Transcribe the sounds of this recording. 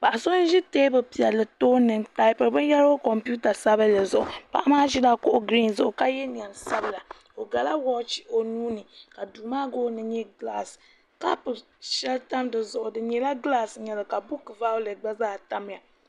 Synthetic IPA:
pa˨ʔa˨so˦n˦ʒi˦teː˦bɨ˨pi˨jɛ˨lːɨ˨toː˦nɨ˨ŋta˨ɪ˦pɨ˨ɾbɨ˦n˦ja˦ɾo˦kɔ˨mpu˦ta˨sa˦βa˦la˨zʊ˨ʔʊ˨pa̰˨ʔa˦maː˦ʒi˦da˦kʊ˦ʔʊ˦ɡɾi˦nzʊ˨ʔʊ˨ka˦jɛ˦ni˨a˨nsa˦bɨ˨la˨ | o˨ɡa˨la˦wɔ˦t͡ʃo˨nuː˦nɨ˨ka˨duː˨maː˦ɡoː˦nɨ˨ɲɛ˦ɡla˦s | ka˦pɨ˨ | ʃɛ˦lta˦mdɨ˨zʊ˨ʔʊ˨dɨ˨ɲɛ˨la˦ɡlaː˦sɲɛ˨lɨ˨ka˨bu˦kɨ˨vaː˦lɨ˨ɡ͡ba˦zaː˦˨ta˦m˨ja˨

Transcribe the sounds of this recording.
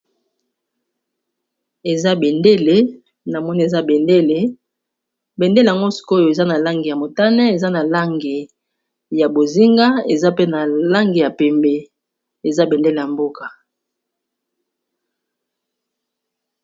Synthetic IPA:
e˨za˦be˨nde˦le˨ | na˨mɔ˦ni˦e˨za˦be˨nde˦le˨ | be˨nde˦le˨ja˨ŋɡo˦si̥˦ko˦jo˨e˨za˦na˨la˦ŋɡe˨ja˨mo˨ta˦nɛ˦e˨za˦na˨la˦ŋɡe˨ | ja˨bo˨zi˦ŋɡa˦e˨za˦pe˦na˨la˦ŋɡe˨ja˨pɛ˨mbe˨ | e˨za˦be˨nde˦le˨ja˨mbo˦ka˨

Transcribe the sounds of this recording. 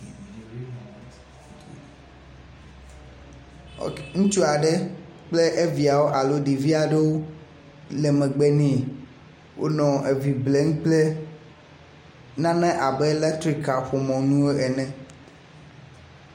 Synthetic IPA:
ŋũ˦t͡ʃu˦a˨ɖɛ˦k͡ple˦ʔe˦vi˨a˨wo˦ʔa˨lo˦ɖi˨vi˦a˨ɖe˦wo˦ | lɛ˨mɛ̃˨ɡ͡be˦nẽ˦˨ | wʔo̰˦nɔ̃˨ʔe˨vi˨ble˦ŋũ˦k͡ple˦ | nã˦nɛ̃˦ʔa˨bɛ˦lɛ˦t̪ɾi˦ka˨ɸo˨mɔ̃˨nũ˦o˦ɛ˨nɛ̃˦

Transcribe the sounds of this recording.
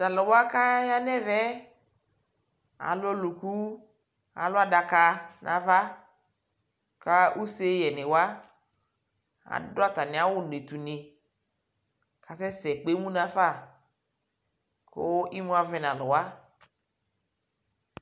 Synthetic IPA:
ta˨lʊ˨wa˦ka˦ja˦nɛ˦vɛ˦ | a̰˨lʊ˦lu˨ku˦ | a̰˨lʊ˦a˨da˨ka˨nʔã˨va˦ | ka˦ʔu˦se˦jɛ˨nɪ˨wa˦ | a̰˨dʊ˦a˦t̪a˨nɪ˨a˨wʊ˦ne˨t̪u˨nɪ˨ | ka˨sɛ˦sɛ˨k͡pe˨˦mũ˦nã˨fa˦˨ | kʊ̰˦i˦mũ˦a˨vɛ˦nã˨lʊ˨wa˦

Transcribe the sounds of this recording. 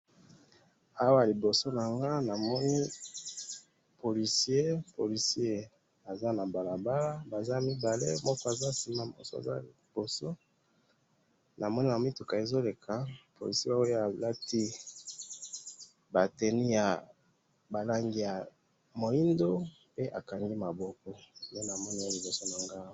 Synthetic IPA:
a˦wa˦˨li˨bo˨so˦na˨ŋɡa˦na˨mɔ˦ni˦ | po˨li˨si˦e˦po˨li˨si˦e˦ | a˨za˦na˨ba˨la˨ba˦la˦ba˨za˦mi˦ba˨le˦mɔ˦kɔ˦a˨za˦si˨ma˦˨bɔ̰˨so˦a̰˨za̰˦i˨b̥o˨so˦ | nʔa˨mɔ˦ni˦na˨mi˦tu˨ka˨e˨zo˦le˨kʰa˨po˨li˨sa˦wo˦a˨la˦ti˦ | ba˨te˨ni˦ja˨ | ba˨la˦ŋɡi˦ja˨ | mo˨i˦ndo˦ | pe˦ʔa̰˨ka˨ŋɡi˦ma˨bɔ˦kɔ˦˨je˦na˨mɔ˦ni˦o˦li˨bo˨so˦na˨ŋɡa˦˨˦

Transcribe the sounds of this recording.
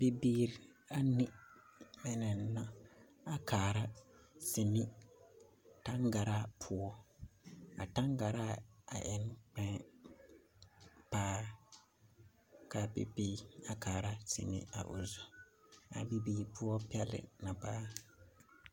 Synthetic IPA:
bi˨biː˦ɾa˦nɪ˦mɛ˦nɛ˨na˦ | a˦kaː˨ɾa˦ | sɪ˨nɪ˦ | ta˦ŋɡa˨ɾa˦pʰʊ˦ɔ˦ | a̰˨ta˦ŋɡa˨ɾa˦a̰˨ʔɛ˦n˦k͡pɛ̃˦ | paː˦ | ka˦pḭ˦pi˦a˨kaː˨ɾa˦sɪ̰˨nɪ̰˨a̰˨ʔʊ̰˨zɔ˨ | a̰˨bi˨biː˨ɾpʰʊ˦ɔ˦pi˦ɛ˦lɪ̰˨na˨paː˦

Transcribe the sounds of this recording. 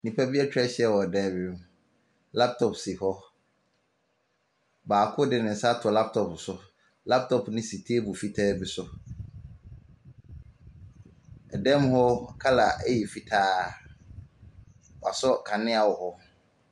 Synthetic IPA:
nĩ˨pʰa˦bi˦ɛ˦t͡ɕᶣɾɛ˦ɕɛ˦˨wɔ˨dɛ̃˦˨bɪ˨nũ˦ | la˦p̚tʰɔ˨psi˨hɔ˦ | baː˨kʰʊ˦dɪ˨nɪ̃˨n̩˨sa˦tʰʊ˨la˦p̚tʰɔ˨psʊ˨ | la˦p̚tʰɔ˨pnɪ̃˦si˨tʰeː˦bʊ˨fi˦tʰɛː˦bɪ˨sʊ˦ | ɛ˨dɛ̃˦mhɔ˦kʰa˦la˨æ˦ji˨fi˦tʰaː˦ | wa˨sɔ˦kʰã˨nɪ̃˦a˨wɔ˨hɔ˦

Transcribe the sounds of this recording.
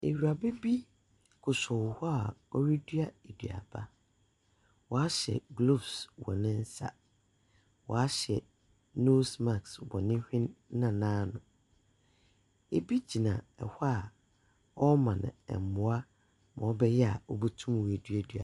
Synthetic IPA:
ḛ˨wu˨a˨be˦bi˦ | kʰʊ˨sɔ˨whɔ˦a˨ɔ˦ɾi˦dɥa˦e˨dɥ̰a̰˨b̥a˦ | wɔ˨a˦ɕɛ̰˨ɡlo˦˨bswɔ˨nɪ̃˦n̩˦sa̰˨ | wɔ̰˨a˦ɕɛ˨ | no˦sma˨kswɔ̃˨nɪ̃˦hᶣɪ̃˦nː˦ã˨nãː˦nʊ̃˨ | e˨bi˦d͡ʑi˨nã̰˨ɛ˨ha˦˨ | ɔ˦mã˨ñ̰˨ɛ̰˨m˨mʊ̃˨a˦ | mã˨ɔ˦bɛ˦jɛ˦a˨ɔ˦bu˦tʰũ˦m˨we˨dɥa˨dɥa̰˨

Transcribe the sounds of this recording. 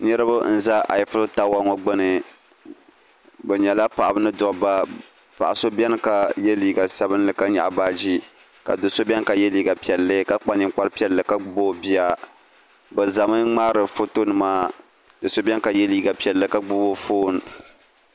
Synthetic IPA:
nɛ˦ɾɨ˦ba˦n̩˦za˦ʔa̰˨jfɨ˦lta˦wa˦ŋo˨ɡ͡bɨ˦nɨ˨ | bɛ˨ɲɛ˨la˦pa˨ʔa˨bɨ˦nɨ˦dɔ˨ba˦ | pa˨ʔa˨so˦bɛ˦n˦ka˨jɛ˦liː˦ɡa˨sa˦bɨ˦nlɨ˨ka˦ɲa̰˨ʔa˨baː˦d͡ʒi˦ | ka̰˨do˨so˦bɛ˦n˦ka˨jɛ˦liː˦ɡa˨pi˨ɛ˨lːɨ˦ka˦k͡pa˦ɲɨ˦mk͡pa˦ɾɨ˦pi˦ɛ˨lːɨ˨ka˦ɡ͡bboː˦bi˦a˦ | bɛ˨za˨mɨ˦ŋ͡maː˦ɾɨ˨fo˦to˦nɨ˨maː˦ | dɨ˨so˦bɛ˦n˦ka˨jɛ˦liː˦ɡa˨pi˨ɛ˨lːɨ˨ka˦ɡ͡bu˦bo˦foː˦n˨

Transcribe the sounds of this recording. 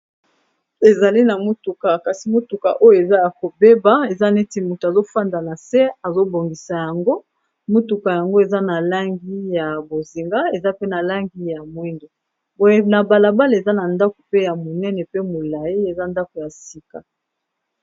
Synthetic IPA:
e˨za˨li˦na˨mo˦tu˨ka˨ka˨si˨mo˦tu˨ka̰˨ʔo˦jo˦˨e˨za˦ja˨ko˨be˦ba˨e˨za˦ne˦ti˦˨mu˨tu˨a˨zo˦fa˦nda˨na˨sɛ˦a˨zo˦bo˨ŋɡi˨sa˨ja˨ŋɡo˦ | mo˦tu˨ka˨ja˨ŋɡo˦e˨za˦na˨la˦ŋɡi˦ja˨bo˨zi˨ŋɡa˦e˨za˦pe˦na˨la˦ŋɡi˦ja˨mwi˦nde˨ | bo˦je˦na˨ba˨la˨ba˦le˨za˦na˨nda˦ko̥˨pe˦ja˨mo˨nɛ˦nɛ˨pe˦mo˨la˨ji˦e˨za˦nda˦ko˨ja˨si˦ka˨

